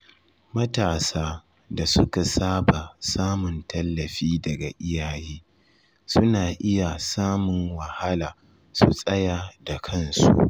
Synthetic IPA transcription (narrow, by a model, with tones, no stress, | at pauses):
mɐ˦taː˨saː˦ | da˨sʊ˦ka˨saː˦ba˨saː˦mʊ˨ntɐ˦lːɐ˨ɸiː˦dɐ˨ɡa˨ʔɪ˦jaː˨jiː˦ | sʊ˦naː˨ʔɪ˦ja˨saː˦mʊ˨ŋwɐ˨ha˦laː˨ | su˨sʼɐ˦ja˨da˨kʰɐ˦˨nsṵ˦ʔ